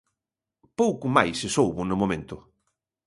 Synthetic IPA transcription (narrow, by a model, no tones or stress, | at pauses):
powkʊmajsɪsowβʊnʊmõmẽnt̪ʊ